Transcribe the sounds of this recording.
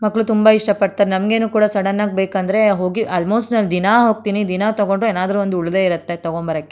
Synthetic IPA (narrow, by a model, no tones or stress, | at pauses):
mɐkːɭut̪umbaiʂʈɐpɐʈ̚t̪aːɾenɐmɐɡe̞ːnuːkuːɽasɐɽɐnːaːɡ̚beːkɐnd̪ɐɾe̞ɦo̞ːɡiʔaːlmoːsʈnɐld̪inaɦo̞ːɡ̚t̪iːnid̪inat̪ɐɡo̞ɳɖɾueːnaːd̪ɐɾuʋond̪uuɭd̪e̞iɾɐt̪ːe̞t̪ɐɡoɳbɐɾɐkːe